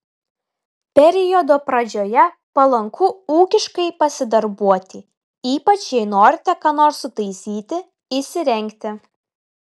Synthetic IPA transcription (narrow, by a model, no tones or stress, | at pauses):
pʲɛɾʲɪjod̪oːpɾɐd͡ʒʲoːjɛ | pɐlˠɐŋkʰʊuːkʲɪʃkɐɪpɐsʲɪd̪ɐɾbuɔt̪ʲɪ | iːpɐt͡ʃjɛɪnoːɾʲɪt̪ʲɛkɑːnoːɾsʊt̪ɐɪsʲiːt̪ʲɪ | ɪsʲɪɾʲɛŋʲkt̪ʲɪ